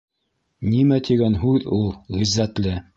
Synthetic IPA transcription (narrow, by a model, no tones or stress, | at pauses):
nimæt̪iɡænɦʉðulˠʁizːæt̪lɘ